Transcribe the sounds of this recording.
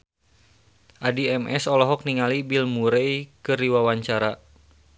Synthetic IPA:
ʔadiɛmʔɛsɔlɔɦɔk̚niŋalibilmuɾɛjkɨriwawaɲt͡ʃaɾa

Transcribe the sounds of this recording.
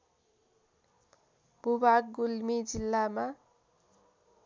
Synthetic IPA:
b̥ubaɡ̚ɡulmid͡zilːama

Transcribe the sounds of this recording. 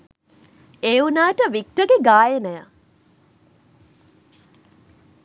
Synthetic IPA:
eːunaːʈəʋik̚ʈəɡeɡaːjenɛja

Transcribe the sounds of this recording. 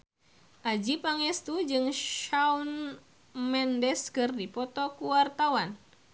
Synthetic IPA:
ʔad͡ʒipaŋɛst̪ud͡ʒɨŋʃaun | mɛndɛskɨrdipɔt̪ɔkuwart̪awan

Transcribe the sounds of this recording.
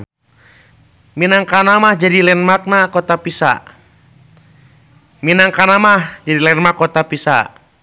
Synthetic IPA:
minaŋkanamahd͡ʒadilɛnmak̚nakɔt̪apisa̰ʔ | minaŋkanamahd͡ʒadilɛnmakːɔt̪apisa̰ʔ

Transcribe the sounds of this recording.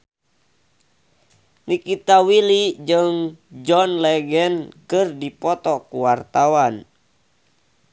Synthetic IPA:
nikit̪awilid͡ʒəŋd͡ʒɔnlɛɡɛnkɨrdipɔt̪ɔkuwart̪awan

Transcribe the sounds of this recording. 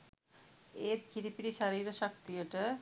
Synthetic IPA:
eːt̪̚kʰiɾipiɾiʃaɾiːɾəʃɐk̚t̪ijəʈə

